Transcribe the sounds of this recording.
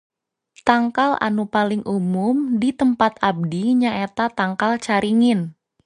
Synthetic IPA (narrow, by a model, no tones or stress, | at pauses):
t̪aŋkalʔa̰nupalɪŋʔumʊmdit̪əmpat̪ab̚diɲaʔet̪at̪aŋkalt͡ʃaɾiŋɪn